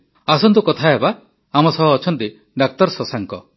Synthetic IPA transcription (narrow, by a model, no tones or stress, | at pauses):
asɔnt̪ukɔt̪ʰaeba | amɔsɔɦɔːt͡ʃʰɔnt̪i | ɖak̚t̪ɔɾsɔsaŋkɔ